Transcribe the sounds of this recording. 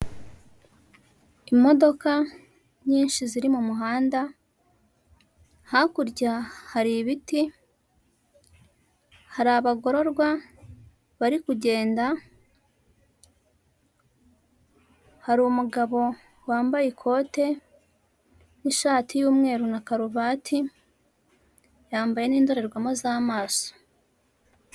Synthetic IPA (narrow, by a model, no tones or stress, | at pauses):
imo̞do̞ka | ɲiːnʃiziɾimumuɦaːnda | hakuɾɟahaɾiβiti | haɾaβaɡo̞ɾo̞ɾɡwa | βaɾikuɟe̞ːnda | haɾumuɡaβo̞ | waːmbajikʰo̞te̞ | niʃaːtʰijuːmŋe̞ːɾunakaɾuβatʰi | jaːmbaje̞niːndo̞ɾe̞ɾɡwamozaːmaːso̥